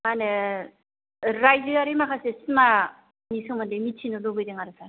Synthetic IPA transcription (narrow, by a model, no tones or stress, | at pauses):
manɯ | ɾajzɯaɾimakʰasesma | nisɯŋmandɯmitʰinɯlobɯjdeŋaɾɯsʰaɾ